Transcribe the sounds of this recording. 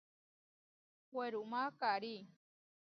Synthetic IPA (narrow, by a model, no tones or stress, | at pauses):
weɾumakaɾi